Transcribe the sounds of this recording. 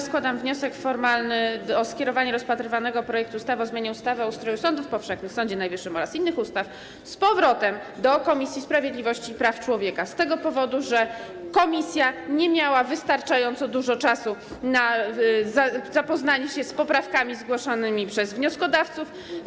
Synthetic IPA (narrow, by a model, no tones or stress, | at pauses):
skwad̪amvɲɔsɛkfɔɾmalnɘɔskʲjɛɾɔvaɲɛɾɔspat̪ɾɘvanɛɡɔpɾɔjɛkt̪uːst̪avɔzmjaɲɛust̪avɘɔust̪ɾɔjusɔnd̪ufpɔfʂɛxnɘsɔɲd͡ʑɛnajvɘʂːɘmɔɾasinːɘxust̪af | spɔvɾɔt̪ɛm | d̪ɔkɔmʲisʲjispɾavʲjed̪lʲivɔɕt͡ɕipɾaft͡ʂwɔvʲjɛkast̪ɛɡɔpɔvɔd̪uʐɛ | kɔmʲisʲjaɲɛmʲjawavɘst̪aɾt͡ʂajɔnt̪sɔd̪uʐɔt͡ʂasunazazapɔznaɲɛɕɛspɔpɾafkamʲizɡwɔʂɔnɘmʲipʂɛzvɲɔskɔd̪aft̪suf